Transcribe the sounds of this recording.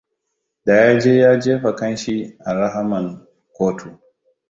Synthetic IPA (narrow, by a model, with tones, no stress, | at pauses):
da˨jaː˦d͡ʒeː˦jaː˦d͡ʒeː˦ɸɐ˨kɐ˦nʃi˦ʔa˨ɾa˦ɦa˦mɐ˨ŋ | kʷoː˦tʰu˨